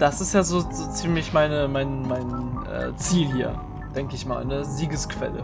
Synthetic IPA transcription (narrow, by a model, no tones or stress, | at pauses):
d̥asɪstjaːzoːzoːt͡siːmlɪçmaɪnəmaɪnmaɪnʔɛ̰ːt͡siːlhiːɐ | d̥ɛŋkəɪçma̰ːlnəziːɡəskv̥ɛ̰lə̰